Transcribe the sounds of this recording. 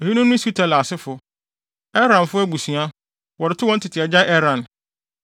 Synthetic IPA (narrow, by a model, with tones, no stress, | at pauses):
o˨hi˦nʊ̃˦nːʊ̃˦si˨˦tʰa˨la˨sɪ˦fʊ˨ | ɛ˦ɾã˨n˨fʊ˦æ˦ɡu˨sũ˨a˦ | wɔ˨ɾɪ˨tʰɪ˦wɔ̃˦n̩˦tʰɪ˨tʰɪ˨ɛ˨d͡ʑa˦ʔɛ˦ɾã˨n